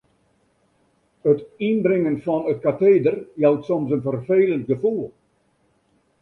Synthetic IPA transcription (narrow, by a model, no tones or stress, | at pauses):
ətinbrɪŋənfɔnət̚kateːdərjawtsɔmsənfərfeːlənt̚ɡəfulˠ